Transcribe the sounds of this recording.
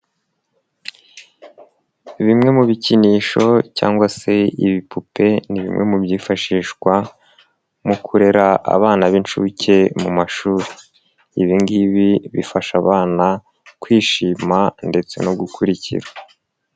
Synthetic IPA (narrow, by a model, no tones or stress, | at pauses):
βimŋe̞muβiciniːʃo̞ca̰ːŋɡwase̞iβipʰupe̞niβḭmŋe̞mubjiːfaʃiːʃɡwa | mukʰuɾe̞ɾaʔa̰βaːnaβint͡ʃucʰe̞mumaʃuːɾe | iβiŋɡiβiβifaʃaβaːna | kwiːʃiːmande̞t͡se̞̰no̞ɡukʰuɾicḭɾa